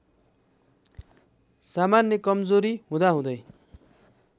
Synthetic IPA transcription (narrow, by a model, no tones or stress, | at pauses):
samanjʌkʌmd͡zoɾiɦũd̪aɦũd̪ʌj